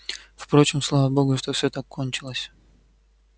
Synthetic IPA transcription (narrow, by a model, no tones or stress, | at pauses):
fpɾo̞t͡ɕɪmslˠavəbo̞ɡʊʂt̪ofsʲɵt̪akʰːonʲt͡ɕɪlˠəsʲ